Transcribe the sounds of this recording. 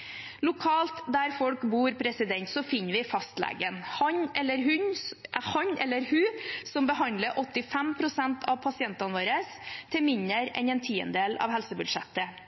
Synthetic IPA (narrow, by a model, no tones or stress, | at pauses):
lʊkʰɑːlt̪d̪æɾfɔlkbuːɾpʰɾɛsɪd̪ɛnt̪sɔfɪnːəɾʋɪfɑst̪lḛːɡənhɑnɛlːəɾɦʉnhɑɲɛlːəɾhʉːsɔmbəɦɑnd̪ləɾʔɔt̪ːɪfɛmpʰɾʊsɛnt̪ʰɑʋpʰɑsɪɛnt̪ɑnʋoːɾəs | t̪ʰɪlmɪnəɾɛ̰nɛnt̪ʰiːə̰nd̪eːlɑ̰ʋɦɛlsəbʉd̪ʂɛt̪ːə